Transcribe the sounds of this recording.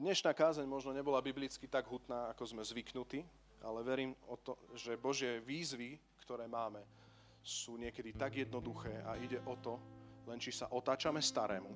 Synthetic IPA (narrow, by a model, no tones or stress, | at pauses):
d̪ɲɛʃnaːkaːzɛɲmɔʒnɔɲɛbɔlabiblit͡skit̪aɡɦut̪naːakɔzmɛzʋiknut̪iː | a̰lɛʋɛɾiːmɔt̪ɔʒɛbɔʒɪɛʋiːzʋi | kt̪ɔɾɛːmaːmɛ | suːɲɪɛkɛd̪it̪aɡjɛd̪nɔd̪uxɛːʔaiɟɛʔɔt̪ɔlɛnt͡ʃisaʔɔt̪aːt͡ʃamɛst̪aɾɛːmu